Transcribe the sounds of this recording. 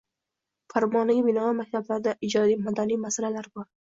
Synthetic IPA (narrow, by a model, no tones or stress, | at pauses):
faɾmɒnɪɡʲabɪnɒamak̚ʲt̪ʰablaɾd̪aʔɪd͡ʒɒd̪ijmad̪anijmasalalaɾbɒɾ